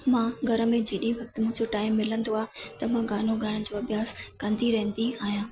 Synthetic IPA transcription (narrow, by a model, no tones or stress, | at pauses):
mãːɡʱɐɾə̆mẽd͡ʑeːɗĩʋɐk̚t̪ɪmʊ̃ɦɪ̃d͡ʑoʈaːɪmːɪlə̃nd̪oaːɦɪt̪ɐmãɡaːn̤oɡʱɐɾənɪ̆d͡ʑoːɐbʱjaːskɐ̃nd̪iɾɐɦə̃nd̪iaːɦijãː